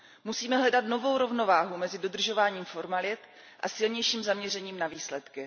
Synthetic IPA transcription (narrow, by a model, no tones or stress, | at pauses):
musiːmɛɦlɛdat̪no̞vo̞wɾo̞vno̞vaːɦumɛzɪdo̞d̪r̩ʒo̞vaːɲiːmfo̞ɾmalɪt̪ | ʔa̰sɪlɲɛjʃiːmzamɲɛr̝ɛɲiːmnaviːslɛt̪kɪ